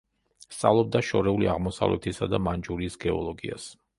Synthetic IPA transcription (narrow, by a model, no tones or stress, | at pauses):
st̪sʼalˠɔb̚d̪aʃɔɾɛuliaʁmɔsa̰vlʔɛ̰t̪ʰisad̪amand͡ʒuɾiːsɡɛɔlˠɔɡias